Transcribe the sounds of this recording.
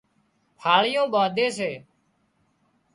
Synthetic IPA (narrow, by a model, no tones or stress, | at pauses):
pʰaːɭɪjõːɓãːd̪eːseː